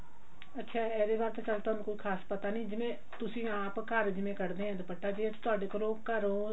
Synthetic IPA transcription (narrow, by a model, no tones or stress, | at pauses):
ətːʃʰaːɛːɾeːbaːɾt̪eːt͡ʃəlt̪oɦːnũkoːikʰaːspət̪aːnĩːd͡ʒɪmẽː | t̪ʊsĩːaːpkəɾd͡ʒɪmẽːkəɽd̪eːɦɛ̃ːd̪pəʈːaːd͡ʒeːt̪ʊaːɖeːkoɾõːkəɾoː